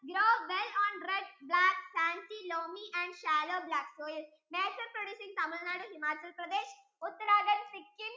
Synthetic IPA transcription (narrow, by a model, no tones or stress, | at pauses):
ɡɾoːʋelɔːnɾeɖblæksæ̃nt͡ɕiloːmiʔɛ̃ɳɖʃæloːblæksoːjl | mesəɾpɾoɖjuːsĩŋɡsamulnaɽuɦimaːt͡ɕɐlpɾɐd̪eːʃ | ʊt̪ːəɾaːɡənsikːim